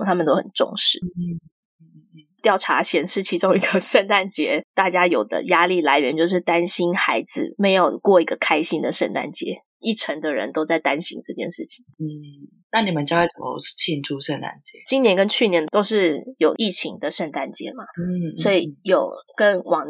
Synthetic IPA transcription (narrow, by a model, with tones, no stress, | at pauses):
t̪ʰa˥mə˨nt̪o˥ʊxə̰˨˩nʈ͡ʂʊ̰˥˧ŋʂɻ̩˥˩˥ | t̪jɑ˥˩ʊʈ͡ʂʰa˧˥ɕjɛ˨˥nʂɻ̩˥˩t͡ɕʰi˧˥ʈ͡ʂʊ˥ŋi˧˥ɡə˧ʂə˥˧nt̪a˥˩nt͡ɕjɛ˧˥˦t̪a˥˩t͡ɕja˥jo˨˩ʊd̪ə̰˦ja˥li˥˩la˧˥ɪɥɛ˧˥nt͡ɕjo˥˧ʊʂ̬ɻ̩˥˩t̪a˥nɕi˥nxa˧˥ɪd͡z̩̰˨me˧˥ɪjo˨˩ʊkwɔ˥˩i˧˥ɡə˨kʰa˥ɪɕi˥ŋd̪ə˨ʂə˥˧nt̪a̰˥˩nt͡ɕjɛ˧˥ | i˥˩ʈ͡ʂʰə˧˥ŋd̪ə˨ɻə̰˦nt̪o˥ʊt͡sa˥˩ɪt̪a˦nɕḭ˥ŋʈ͡ʂɤ˥˧t͡ɕjɛ˥˧nʂɻ̩˥˩t͡ɕʰi̥˨˩ŋn̩˥˩ | na˥˩ni˨˩mə˨˦nt͡ɕjxwe˥˩t͡sə˨˩mə̰˦t͡ɕʰi˥˧nʈ͡ʂʰu˥ʂə˥˧nt̪a̰˥˩nt͡ɕjɛ˨˦t͡ɕi˥njɛ˧˥nkə˦nt͡ɕʰy˥˩njɛ˧˦nt̪o˥ʊʂɻ̩˥˩jo˨˩ʊʔi˥˩t͡ɕʰi˧˥ŋd̪ə˨ʂə˥˧nt̪a˥˩nt͡ɕjɛ̰˧˥ma˨˥˩swɔ˧˥i˨˩jo˨˩ʊkə˦nwɑ˨˩˦ŋ